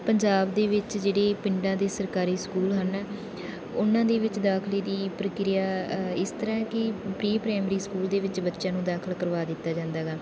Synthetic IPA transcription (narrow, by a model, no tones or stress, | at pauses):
pəɲd͡ʒaːbd̪eːʋɪt͡ʃd͡ʒeːɽeːpɪɳɖãːd̪eːsəɾkaːɾiːskuːlɦən | ʊnãːd̪eːʋɪt͡ʃd̪aːkʰleːd̪iːpɾəkɾɪjaːɪst̪əɾãːkɪpɾiːpɾɛːmɾiːskuːld̪eːʋɪt͡ʃbətːʃjãːnũːd̪aːkʰəlkəɾʋaːd̪ɪt̪ːaːd͡ʒãːnd̪aːɡaː